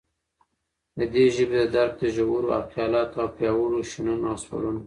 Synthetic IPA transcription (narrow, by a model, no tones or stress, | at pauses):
d̪əd̪eʒəbed̪əd̪aɾk̚d̪əʒawuɾoa̰fjɑlɑt̪awpjɑwəloʃinunɑswa̰lun